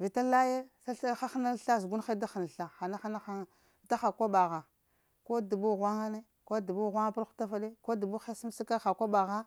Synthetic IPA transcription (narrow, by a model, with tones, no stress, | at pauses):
vi˨ta˦la˦je˦sa˦xa˦xna˦ɬa˦z̬ɡu˦nxa˦da˦xa˨na˨ɬa˨xa˨na˦xa˦na˦xa˦˨ | da˦xa˨kʷa˦ba˨ɣa˨ | ko˦du˨bu˦ɣwa˦ŋa˦ne˦ | ko˦du˨bu˦˨ɣʷa˦ŋa˦pa˦ɾxu̥˦ta˦fa˦de˦ko˦du˨bu˦xa˦si˦m˦si˦ka˦xa˨kʷa˦ba˨ɣa˦